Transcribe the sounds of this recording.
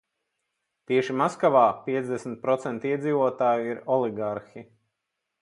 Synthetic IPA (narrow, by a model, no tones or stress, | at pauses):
t̪iɛʃimaskaʋaːpiɛzd̪ɛsmit̪̚pɾɔt̪sɛnt̪iɛd̪ziːvuɔt̪aːjuiɾɔlˠiɡaɾxʲi